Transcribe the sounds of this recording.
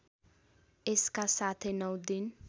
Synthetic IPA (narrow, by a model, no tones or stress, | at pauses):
eskasat̪ʰenʌwd̪in